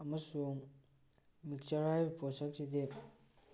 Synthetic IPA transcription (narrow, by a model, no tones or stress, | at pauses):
ɐmɐsuŋ | mik̚saɾajbpʰɔsak̚sid̪e